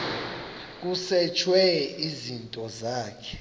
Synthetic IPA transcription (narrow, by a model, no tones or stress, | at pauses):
k̬ʼusɛt͡ʃʰwɛizintʼɔzaːkʰɛ̥